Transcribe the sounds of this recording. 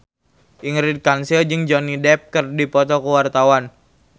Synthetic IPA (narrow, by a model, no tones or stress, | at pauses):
ʔiŋɾid̪̚kansild͡ʒɨŋd͡ʒɔnidɛp̚kərdipɔt̪ɔkəwart̪awan